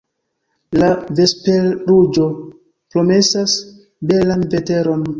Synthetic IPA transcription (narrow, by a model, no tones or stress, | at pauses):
lave̞speɾud͡ʒo̞ | pɾo̞me̞sas | be̞lanve̞te̞ɾo̞n